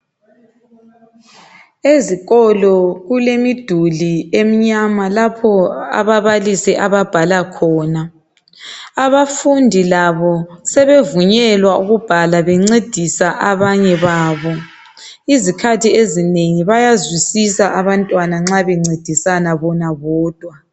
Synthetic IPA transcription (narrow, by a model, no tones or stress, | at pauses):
eziɣɔlɔɣulemid̥ʱuliem̩ɲamalapʰɔa̰βaβalisɛʔaβab̥ʱalakʰɔːna | βafundʱilaβɔsɛβevuɲɛlwauɣub̥ʱalaβɛŋ͡ǀed̥ʱisaʔaβaɲɛβaːβɔ | izikʰatʰiezineŋiβajazwisisaʔaβantʼwanaŋ͡ǁaβɛŋ͡ǀed̥ʱisanaβɔnaβɔːd̥ʱwa